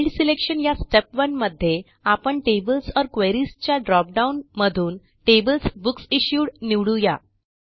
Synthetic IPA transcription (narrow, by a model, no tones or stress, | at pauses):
ɖsilekʂənjasʈepʋənməd̪ʱːje | apəɳʈebəlsɔɾkʋeɾist͡ɕjaɖɾɔp̚ɖaunməd̪ʱuːn | ʈebəlsbuksiɕjuːɽniʋɽuja